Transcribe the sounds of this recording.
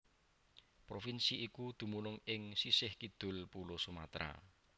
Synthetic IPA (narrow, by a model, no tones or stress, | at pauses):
pɾofinsiʔikud̪̥ṳmunʊŋɪŋsisɪhkid̪̥ʊ̤lpulosuma̰t̪ɾa̰